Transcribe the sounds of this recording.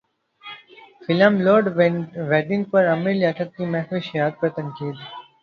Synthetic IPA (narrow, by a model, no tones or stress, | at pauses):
fɪləmloːɾɖʋeːɖɪ̃ŋɡ̚pɐɾɐmiɾlaʈ̪ʰət̪̚kimɛːkʋiʃijaːd̪̚pɐɾt̪ɐ̃ŋkiːd̪